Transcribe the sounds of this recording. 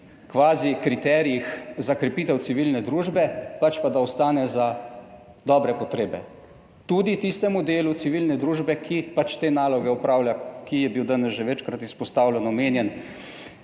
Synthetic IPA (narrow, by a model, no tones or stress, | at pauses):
kʋaːzikɾit̪ɛɾijixzakɾɛpiːt̪ɛw̪siʋilnɛd̪ɾuːʒbɛpat͡ʃpad̪aɔst̪aːnɛza | d̪ɔːbɾɛpɔt̪ɾeːbɛ̰ | t̪uːd̪it̪ist̪ɛmud̪eːlut̪siʋilnɛd̪ɾuːʒbɛkʰipat͡ʃt̪eːnaːlɔɡɛɔpɾaːwlʲjʲakijɛbiwd̪anɛsʒɛʋɛt͡ʃkɾat̪ispɔst̪aːwlʲɛnɔmeːnjɛn